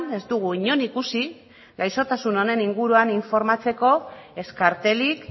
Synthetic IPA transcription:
ne̞zd̪uɣ̞uiɲo̞nikusi | ɡajso̞t̪asuno̞ne̞niŋɡuɾuaniɱfo̞ɾmat͡se̞ko̞e̞skaɾt̪e̞lik

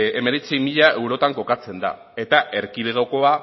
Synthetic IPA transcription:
e̞meɾet͡simiʎae̞wɾo̞t̪aŋko̞kat͡se̞nd̪a̰ | e̞t̪aʔe̞ɾkiðeɣoko̞a

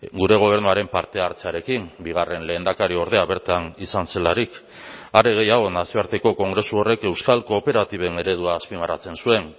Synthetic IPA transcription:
ɡuɾe̞ɣ̞o̞β̞e̞ɾnuaɾe̞mpaɾt̪e̞aɾt͡seaɾe̞kiŋbiɣare̞nle̞ːnd̪akaɾio̞ɾð̞e̞aβeɾt̪anisanse̞laɾik | areɣe̞jaɣ̞o̞nasio̞aɾt̪e̞ko̞ko̞ŋɡɾe̞suo̞re̞ke̞wskalkoːpe̞ɾat̪iβ̞e̞ne̞ɾe̞ð̞uaːspimarat͡se̞nsue̞ŋ

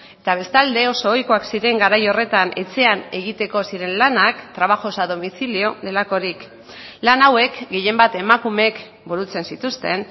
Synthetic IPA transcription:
e̞t̪aβ̞e̞st̪ald̪e̞o̞so̞ːjko̞aksiɾe̞ŋɡaɾajo̞re̞t̪anʔe̞̰t͡se̞ane̞ɣ̞it̪e̞ko̞siɾe̞nlanakt̪ɾaβ̞axo̞saðo̞miθilio̞ðe̞lako̞ɾik | lanawe̞kɡe̞je̞mbat̪e̞makume̞k | buɾut͡se̞nsit̪ust̪e̞n

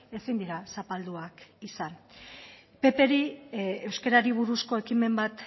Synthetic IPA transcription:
e̞sind̪iɾasapald̪uakisan | pe̞pe̞ɾie̞wske̞ɾaɾiβ̞uɾusko̞e̞kime̞mbat̪

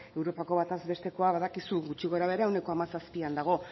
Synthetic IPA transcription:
e̞wɾo̞pako̞βat̪azβe̞st̪e̞ko̞aβaðakisuɡut͡ʃiɣo̞eɾaβe̞ɾaewne̞ko̞amasaspiand̪aɣ̞o̞

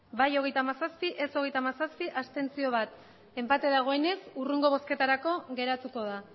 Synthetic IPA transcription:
bajo̞ɣe̞jt̪amasaspiʔe̞so̞ɣ̞e̞jt̪amasaspiʔast̪e̞nt͡sio̞β̞at̪ | e̞mpat̪e̞ðaɣ̞o̞e̞ne̞suruŋɡo̞β̞o̞ske̞t̪aɾako̞ɣe̞ɾat̪uko̞ð̞a

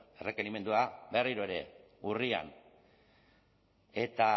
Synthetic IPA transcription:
e̞re̞ke̞nime̞nd̪uabe̞riɾoe̞ɾe̞ | uria̰n | e̞t̪a

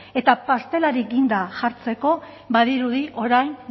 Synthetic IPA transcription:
e̞t̪apast̪e̞laɾiɡind̪aʝaɾt͡se̞ko̞ | baðiɾuðiʔo̞ɾajn

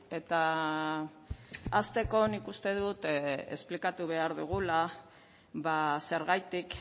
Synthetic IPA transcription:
e̞t̪a | st̪e̞ko̞nikust̪e̞ðut̪ḛsplikat̪uβe̞aɾðuɣ̞ula | βase̞ɾɣajt̪ik

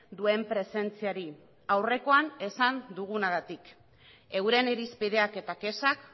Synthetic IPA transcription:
d̪ue̞mpɾe̞se̞nt͡siaɾi | awre̞ko̞ane̞sand̪uɣ̞unaɣat̪ik | e̞wɾe̞neɾispið̞e̞ake̞t̪ake̞sak

